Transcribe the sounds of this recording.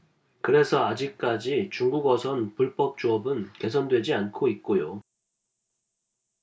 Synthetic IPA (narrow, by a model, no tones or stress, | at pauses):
kɯɾe̞sʰʌad͡ʑik̚k͈ad͡ʑit͡ɕuŋɡuɡʌsʰʌnpuɭp͈ʌp̚t͡ɕ͈uʌbɯnke̞s̬ʰʌndwe̞d͡ʑiankʰoit̚k͈ojo